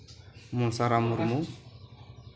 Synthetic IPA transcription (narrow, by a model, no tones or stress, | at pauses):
munsaɾamuɾmu